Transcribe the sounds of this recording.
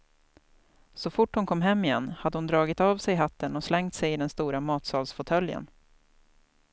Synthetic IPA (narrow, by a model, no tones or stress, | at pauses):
sɔfʊʈːhʊnkʰɔmːɦɛmːɪjɛnːhad̪ːəhʊnd̪ɾɑːɡɪt̪avsɛjɦat̪ːənɔslɛŋt̪sɛjɪd̪ɛnst̪uːɾamɑːt̪sɑːlsfɔt̪ʰœljə̰n